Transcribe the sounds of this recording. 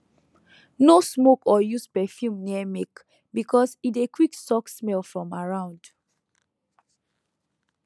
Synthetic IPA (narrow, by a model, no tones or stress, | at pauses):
nosmokɔjuspɛfjũmniɛmek | bikʰɔsitekwiksɔksmɛlfɹɔ̃maɹãʊ̃nd